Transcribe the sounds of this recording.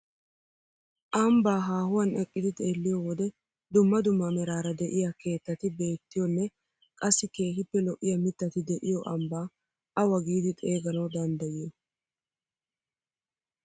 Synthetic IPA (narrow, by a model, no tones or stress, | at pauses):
ʔɐmbaːɦaːhʊwɐnɛkʼːɪd̪ɪt̪ʼe̞ːlːɪjɔwɔd̪ɛ | d̪ʊmːɐd̪ʊmːɐmɛɾaːɾɐd̪ɛʔɪjake̞ːt̪ːɐt̪ɪbe̞ːt̪ːɪjɔnːɛ | kʼɐsːɪke̞ːɦɪpːɛlɔʔːɪjɐmɪt̪ːɐt̪ɪd̪ɛʔɪjɔʔɐmbaː | ʔɐwɐɡiːd̪ɪt̪ʼe̞ːɡɐnɐwd̪ɐnd̪ɐjɪjɔ